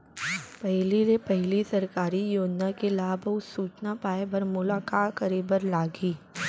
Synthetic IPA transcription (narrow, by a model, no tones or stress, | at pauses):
pɛɦliɾepɛɦlisɐɾkaːɾijoːd͡ʒnakelaːbɐʊsuːt͡ʃnapaːebɐɾmʊlaːkaːkɐɾiːbəɾlaːɡiː